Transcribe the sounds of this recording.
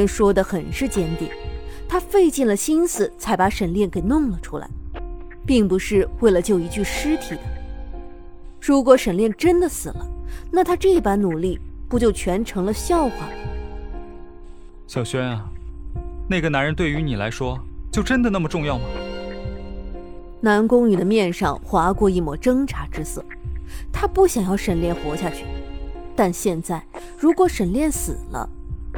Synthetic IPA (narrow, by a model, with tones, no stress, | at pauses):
nʂwɔ˥d̪ə˨xə˨˩nʂɻ̩˥˩t͡ɕjɛ˧˥nt̪jɛ̰˨˩˦nt̪ʰa˥fe˥˧ɪt͡ɕi˥˩nlə˩ɕi˥nsɹ̩˨˩t͡sʰa˧˥ɪpa˧˥ʂə˨˩nljɛ˥˩nke˨˩ɪnʊ˥˩ŋlə˩ʈ͡ʂʰu˥la̰˧˥˦ɪ | pi˥˩ŋpu˧˥ʂɻ̩˥˧we˥˩ɪlə˩t͡ɕjo˥˩ʊi˧˥t͡ɕy˥˩ʂɻ̩˥t̪ʰi˨˩d̪ə˦ | ɻu˧˥kwɔ˧˥ʂə˨˩nljɛ˥˩nʈ͡ʂə˥nd̪ə˨sɹ̩˨˩lə˦na˥˩t̪ʰa˥ʈ͡ʂɤ˥˩i˧˩pa˧˥nnu˨˩li˥˩pu˥t͡ɕjo˥˩ʊt͡ɕʰɥɛ˧˥nʈ͡ʂʰɤ˧˥ŋlə˧ɕjɑ˥˩ʊxwɑ˨˩ | ɕjɑ˨˩ʊɕɥɛ˥na˨ | na˥˩ɪɡə˩na˧˥nɻə˧˥nt̪we˥˩ɪy˧˥ni˨˩la˧˥ɪʂwɔ˥t͡ɕjo˥˧ʊʈ͡ʂə˥nd̪ə˨na˥˩mə˩ʈ͡ʂʊ˥˧ŋjɑ˥˩ʊmə˩ | na˧˥nkʊ˥ŋy˨˩d̪ə˦mjɛ˥˧nʂɑ˥˧ŋxwa˧˥kwɔ˥˧i˥˩mwɔ˨˩ʈ͡ʂɤ˥ŋʈ͡ʂʰa˧˥ʈ͡ʂɻ̩˥sɤ˥˩t̪ʰa˥pu˥˩ɕjɑ˨˩ŋjɑ˥˩ʊʂə˨˩nljɛ˥˩nxwɔ˧˥ɕja˥˧t͡ɕʰy˥˩t̪a˥˧nɕjɛ˥˧nt͡sa˥˩ɪ | ɻu˧˥kwɔ˧˥ʂə˨˩nljɛ˥˩nsɹ̩̰˨˩lə̰˦